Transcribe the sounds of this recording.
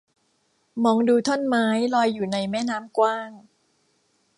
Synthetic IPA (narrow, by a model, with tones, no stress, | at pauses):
mɔː˧ŋduː˧t̪ʰo˥˩nmaː˦˥jlɔː˧jːuː˨˩na˧jmɛː˥˩naː˨˦˥mkwaː˥˩ŋ